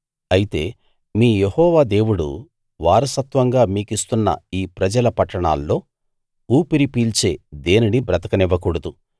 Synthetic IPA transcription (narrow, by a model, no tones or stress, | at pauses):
ɐjit̪e̞̰ː | miːjehɔːʋaːd̪e̞ːwuɽṵ | ʋaːɾɐsɐt̪ʋɐŋɡaːmiːkist̪unːɐ̰iːpɾɐd͡ʒɐlɐpɐʈːɐɳa̰ːlːo̞ː | uːpiɾipiːlt͡ʃe̞ːd̪e̞ːninibɾɐt̪ɐkɐniʋːɐkuɽɐd̪u